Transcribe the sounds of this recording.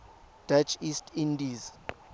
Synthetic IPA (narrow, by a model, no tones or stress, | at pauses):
d̥at͡ʃʰistʰindiz